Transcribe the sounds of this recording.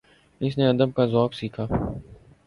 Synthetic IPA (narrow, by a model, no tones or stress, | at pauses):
ɪsneɐd̪əbkazɔːksiːkʰaː